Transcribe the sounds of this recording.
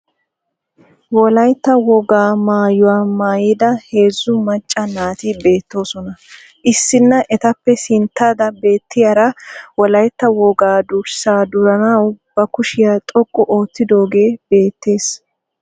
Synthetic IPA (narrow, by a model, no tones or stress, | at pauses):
wɔlɐjt̪ːɐwɔɡaːmaːjʊwaːmaːjɪd̪ɐhe̞ːzːʊmɐt͡ʃʼːɐnaːt̪ɪbe̞ːt̪ːo̞ːsɔnɐ | ʔɪsːɪnːɐʔɛt̪ɐpːɛsɪnt̪ːaːd̪ɐbe̞ːt̪ːɪjɐɾɐwɔlɐjt̪ːɐwɔɡaːd̪ʊɾsaːd̪ʊɾɐnɐwb̥ɐkʊʃɪjat̪ʼɔkʼːɔʔo̞ːt̪ːɪd̪o̞ːɡe̞ːb̥e̞ːt̪ːe̞ːs